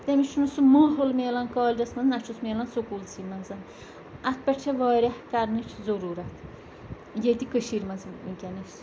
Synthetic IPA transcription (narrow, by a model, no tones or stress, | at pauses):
t̪emit͡ʃʰunusumoːɦolmeːlɐnkɑːlʲd͡ʒɐsmɐnznɐt͡ʃʰosmeːlɐnsokult͡sʰimɐnzɐn | ɐt̪̚peʈt͡ʃʰeʋɑːɾʲɐhkaɾnɨt͡ʃʰzoɾuːɾɐt̪ʰ | jet̪ikəʃiɾmɐzkʲɐniʃ